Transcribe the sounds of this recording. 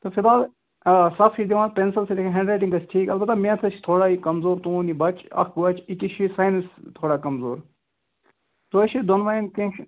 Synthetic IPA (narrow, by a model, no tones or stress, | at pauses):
t̪ofid̪aːl | sɐfʰid̪iʋãːnpensɐlselikʰɦẽɳɖɾaːʈiŋɡɐsʰʈʰiːkɐlbɐt̪ːɐmẽːt̪ʰɐt͡ʃʰt̪ʰoːɽaːikɐmzoːɾt̪ũːnibɐt͡ʃʰɐ̰kʰʋɐt͡ʃʰikiʃʰisaːjnɐst̪ʰoːɽaːkɐmzoːɾ | t̪oɐʃid̪onʋaːjnkẽʃ